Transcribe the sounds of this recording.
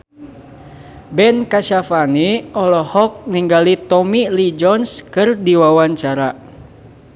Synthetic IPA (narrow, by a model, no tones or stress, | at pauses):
bɛnkaʃafaniɔlɔhɔk̚niŋɡalit̪ɔmilid͡ʒɔnskɨrdiwawaɲt͡ʃaɾa